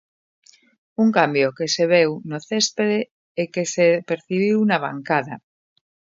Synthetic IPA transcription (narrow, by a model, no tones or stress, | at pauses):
uŋkambjokeseβ̞ewnoθespeðe | ekesepeɾθiβiwnaβ̞a̰ŋkaða